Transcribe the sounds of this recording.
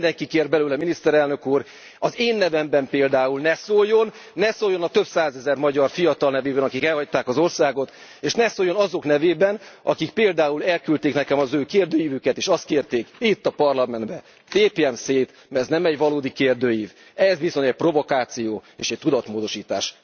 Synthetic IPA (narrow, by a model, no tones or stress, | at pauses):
ind̪ɛŋkikeːrbɛlyːlɛminist̪ɛɾɛlnøkuːr | ɒzeːnːɛvɛmbɛmpeːld̪aːulnɛsoːjo̞nː | ɛsoːjo̞nɒt̪ø̞bsaːzɛzɛrmɒɟɒrfijɒt̪ɒlnɛveːbɛnɒkikɛlhɒc̚t̪aːkɒzo̞rsaːɡo̞t̪ | eːʃnɛsoːjo̞nɒzo̞knɛveːbɛnɒkikpeːld̪aːulɛlkylt̪eːknɛkɛmɒzøːkeːrd̪øːjiːvykɛt̪eːʃɒst̪keːrt̪eːkit̪ːɒpɒrlɒmɛnd̪bɛ | t̪eːpeɛmseːt̪ | mɛznɛmɛɟvɒloːd̪ikeːrd̪øːjiːv | ɛzviso̞ɲɛc̚ʲpro̞vo̞kaːt̪sijoːeːʃɛc̚t̪ud̪ɒt̪moːd̪o̞ʃiːt̪a̰ːʃ